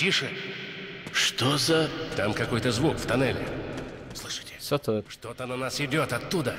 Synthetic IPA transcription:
tʲiʂɨ | ʂt̪ozɐt̪amkɐko̞jt̪əzvukft̪ɐnɛlʲɪ̰ | slˠɨʂɨ̥tʲɪ̥sot̪əʂt̪ot̪ənɐnasɪdʲo̞t̪ɐt̪ːud̪ə

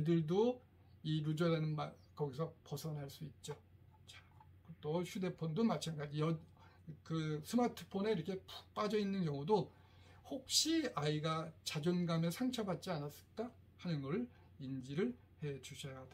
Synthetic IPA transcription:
idɯɭdo | iɾud͡ʑʌɾanɯnma | kʌɡisʰʌpʌsʰʌnɦaɭs͈uit̚t͡ɕ͈o | t͡ɕa | kt͈oɕʰude̞pʰondomat͡ɕʰaŋɡad͡ʑijʌ | kɯsʰɯmatʰɯ̥pʰone̞iɾʌkʰe̞pu̥k̚p͈ad͡ʑʌinːɯnkjʌŋudo | hok̚ɕ͈iaiɡat͡ɕad͡ʑonɡamesʰaŋt͡ɕʰʌbat̚t͡ɕ͈ianas͈ɯ̥ɭk͈a | hanɯnɡʌɾɯɭ | ind͡ʑiɾɯɭ | he̞d͡ʑuɕʰʌjad̥a

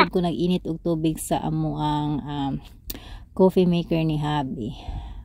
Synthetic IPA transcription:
d̚kʊnɐɡʔiːnɪt̪ʔʊɡ̚t̪uːbɪɡsa̰ʔɐ̰moʔaŋʔam | koːfɛmɛjkɛɹnɪɦaːbi

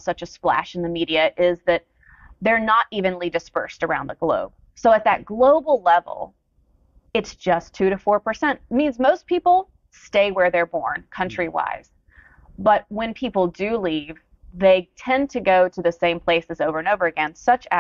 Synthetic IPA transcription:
sʌt͡ʃɨsplæ̰ʃn̩ðɨmiɾiɨʔɪzðɨt̪̚ | ðə˞nəɾʔivɨ̃nlidɨspɜ̰˞stə˞ãʊ̃nðəɡ̥lo̰ʊb̥ | soʊɨt̪̚ðɨ̰t̚ɡ̥loʊbl̩ˠlɛv̰l̩ˠ | ɨtsd̥ʒ̥ʌstʰʉɾɨfɔɹpə˞sɛ̃nʔmĩnzmoʊspʰipl̩ˠ | steɪwə˞ðə˞bɔ̰ɹnkʰʌ̃nt͡ʃɹ̥iwa̰ɪz̥ | b̥ʌt̚wɨ̃npʰipl̩ˠdɨliv | ðeɪtʰɛ̃ntʰɨɡoʊɾɨðɨsẽɪ̃mpʰl̥eɪsɨzoʊvə˞ɨ̃noʊvə˞ɨɡɛ̃nsʌt͡ʃɨ

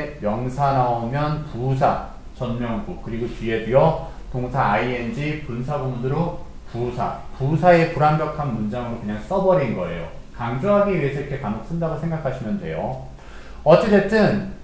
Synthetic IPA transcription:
mjʌŋsʰanaomjʌnpusʰa | t͡ɕʌnmjʌŋɡuk̚kɯɾiɡot͡ɕɥie̞diʌ | toŋsʰaːiend͡ʑipunsʰabubunɯɾo | pusʰa̰pusʰae̞puɾambjʌkʰanmund͡ʑaŋɯɾokɯɲaŋs͈ʌbʌɾinɡʌe̞̰jo̰kaŋd͡ʑoɦaɡiɥiɦe̞sʰʌɾkʰe̞kamok̚s͈ɯndaɡosʰe̞ŋɡakʰaɕʰimjʌndwe̞jo | ʌd͡ʑed͡ʑet͈ɯn

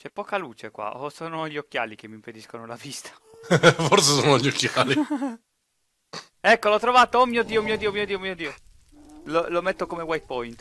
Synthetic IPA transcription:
t͡ʃɛpːɔːkaluːt͡ʃekwa̰osoːnoʎiokːja̰ːlik̟emːimped̪iskonolavist̪ḁ | foɾrsesoːnoʎokːjaːli | ɛkːolɔt̪ːɾovaːt̪oomiod̪iomiːod̪iːomiod̪iːomiːod̪io | lolomet̪ːokomewajt̪̚pɔjnt̪

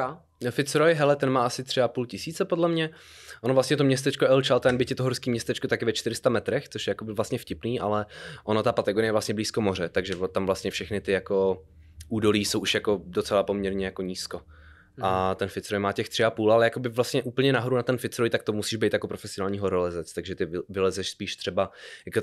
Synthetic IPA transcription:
a | fɪt̪t͡sɾojɦɛlɛt̪ɛnmaːʔasɪt̪r̝̥ɪapuːlcɪsiːt͡sɛpo̞dlɛmɲɛ | ʔonovlast̪ɲɛt̪omɲɛst̪ɛt͡ʃkoʔɛlt͡ʃalt̪ɛnbɪcɛt̪oɦoɾskiːmɲɛst̪ɛt͡ʃkot̪akɪvɛt͡ʃt̪ɪɾɪst̪amɛt̪ɾɛxtt͡soʃjɛjakobɪvlast̪ɲɛfcɪpniːʔa̰lɛʔonot̪apat̪ɛɡoɾɪjɛvlast̪ɲɛbliːskomo̞r̝ɛt̪aɡʒɛt̪amvlast̪ɲɛfʃɛxnɪt̪ɪjako̞ | ʔuːdo̞liːso̞wʔuʃjako̞dot͡sɛlapomɲɛɾɲɛjakoɲiːsko | ʔat̪ɛnfɪtt͡sɾojmaːcɛxt̪r̝̥ɪapuːlalɛjakobɪvlast̪ɲɛʔuːpl̩ɲɛnaɦoɾunat̪ɛnfɪt͡sɾojt̪ak̚t̪omusiːʒbɛjt̪jako̞pɾofɛsɪonaːlɲiːɦoɾolɛzɛt͡st̪aɡʒɛt̪ɪvɪlɛzɛʃspiːʃt̪r̝̥ɛbajako

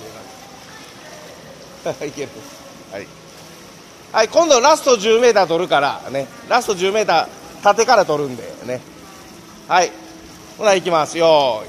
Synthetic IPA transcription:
onã̰nes | ikʲeɾas | ha̰ḭ | haikõnd̪oɾasɨ̥t̪o̞ʑɨːme̞ːt̪aːt̪o̞ɾɯ̟kaɾa̰ne̞ | ɾasɨ̥t̪o̞ʑɨːme̞ːt̪aː | t̪at̪e̞kaɾat̪o̞ɾɯ̟̃nd̪e̞̰ne̞ | hai | konaikʲimasɨjo

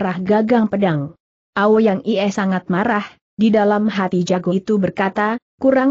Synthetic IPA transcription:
ɾahɡaɡaŋpədaŋ | ʔawojaŋiɛsaŋat̪̚maɾah | didalamɦat̪id͡ʒaɡot̪ubərkat̪akuɾaŋ

